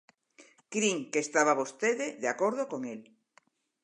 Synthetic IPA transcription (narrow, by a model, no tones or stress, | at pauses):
kɾiŋkest̪aβ̞aβost̪eðeðeakoɾð̞okoŋel